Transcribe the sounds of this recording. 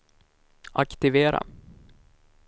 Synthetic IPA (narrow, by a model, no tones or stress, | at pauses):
akt̪ɪveːɾa̰